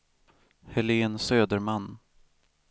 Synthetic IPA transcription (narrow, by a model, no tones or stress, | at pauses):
hɛleːnsøːd̪əɾmanː